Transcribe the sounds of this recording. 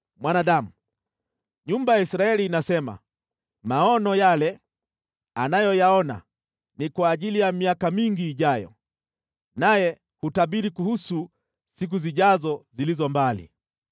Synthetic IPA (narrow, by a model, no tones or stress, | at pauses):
mwanaɗamu | ɲumbajaisɾaɛliːnasɛma̰ | maɔnɔjalɛ | anajɔjaɔna̰ | nikwaːʄilijamiakamiŋɡiːʄajɔ̰ | najɛ | hutaɓiɾikuhusu | sik̬uziʄazɔzilizɔmbalḭ